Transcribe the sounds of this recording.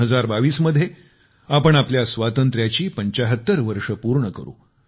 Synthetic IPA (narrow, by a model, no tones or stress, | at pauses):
ɦəd͡zaɾbaʋiːsməd̪ʱje | apəɳapljasʋat̪ənt̪ɾjat͡ɕiːpəɲt͡ɕəɦət̪ːəɾʋəɾʂəpuɾɳəkəɾṵ